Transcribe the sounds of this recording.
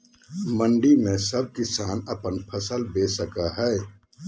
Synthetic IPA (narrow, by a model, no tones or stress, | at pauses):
mə̃ɳɖimẽsəb̚kɪsaːnɐpənpʰəsəlbeːsəkaɦɛ